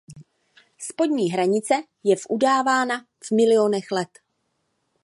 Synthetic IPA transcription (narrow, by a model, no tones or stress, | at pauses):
spo̞dɲiːɦɾaɲɪt͡sɛ | jɛvʔudaːvaːna | vmɪlɪonɛxlɛt̪